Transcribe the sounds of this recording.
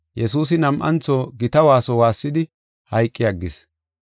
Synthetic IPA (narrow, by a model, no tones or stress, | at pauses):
jɛsuːs̬ɪnɐmʔɐ̰nt͡sːoːɡɪt̪ɐwaːsɔwaːsːɪd̪ɪ | hɐjkʼːɪjɐɡːɪs